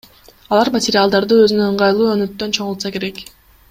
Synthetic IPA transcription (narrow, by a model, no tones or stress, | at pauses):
ɑlˠɑɾmɐtʲɪɾʲɪalˠd̪ɑɾd̪ɯø̞zynøɯɴʁɑjlˠuːønøt̪ːø̞nt͡ʃʰo̞ʁʊlˠt̪sɑke̞ɾe̞k